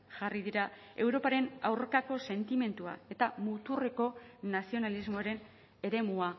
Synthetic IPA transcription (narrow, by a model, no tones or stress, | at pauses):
ʝariðiɾa | e̞wɾo̞paɾe̞na̰wɾkako̞se̞nt̪ime̞nt̪ua̰e̞t̪amut̪ure̞ko̞nasio̞nalizmo̞aɾe̞n | e̞ɾe̞mua